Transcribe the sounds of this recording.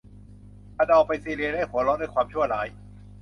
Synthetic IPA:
ʔa˧˩n˨ɔː˨˩pa˧jsiː˧˩li˧laː˦˥˩jkʰu˨˩˦lɔː˦˥nduː˧˨kwaː˧mt͡ɕʰu˥˩ɐəlaː˩˦j

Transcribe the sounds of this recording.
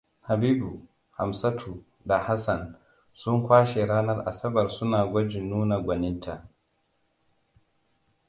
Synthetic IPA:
ha˨biː˦bu˨ | ha̰˨msa˦tʰu˨ | da˨ha˦sa˨n | sʊ˦ŋkʷaː˦ʃe˨ɾaː˦nɐ˦rʔa̰˨sɐ˦bɐ˨rsʊ˦naː˨ɡʷɔ˦d͡ʒɪ˨nːuː˦na˨ɡʷɐ˨nɪ˦ntʰa˨ʔ

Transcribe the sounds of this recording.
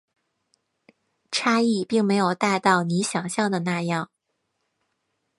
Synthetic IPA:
ʈ͡ʂʰa˥i˥˩pi˥˩ŋme˧˥ɪjo˨˩ʊt̪a˥˧ɪt̪ɑ˥˩ʊni˧˥ɕjɑ˨˩ŋɕjɑ˥˩ŋd̪ə˩na˥˧jɑ˥˩ŋ

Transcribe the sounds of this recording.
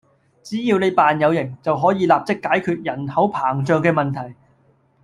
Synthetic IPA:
t͡siː˨˥jiː˧wne˨˧jpaː˨njɐ˨˧wjɪ˨˩ŋt͡sɐ˨wɦɔː˨˥jiː˨˧laː˨p̚t͡sɪ˥kːaː˨˥jkʰyː˧t̚jɐ˨˩nhɐ˨˥wpʰaː˨˩ŋt͡ʃœː˨ŋkɛː˧mɐ˨nt̪ʰɐ˨˩j

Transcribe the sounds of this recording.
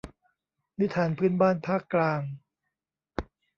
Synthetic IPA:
ni˦˥t̪ʰːaː˩˦npʰɯː˥˨nbaː˥˩npʰaː˥˩kːlaː˧ŋ

